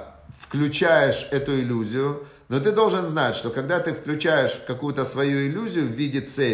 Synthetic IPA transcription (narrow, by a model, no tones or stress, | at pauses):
fklʲʉt͡ɕæjɪʂɛt̪ʊɪlʲuzʲɪjʊ | not̪̬ɨd̪o̞lˠʐɨnznatʲʂt̪okɐɡd̪at̪ɨfklʲʉt͡ɕæjɪʂfkɐkujʊt̪əsvɐjuɪlʲːuzʲɪjʊvʲidʲɪt̪sɛ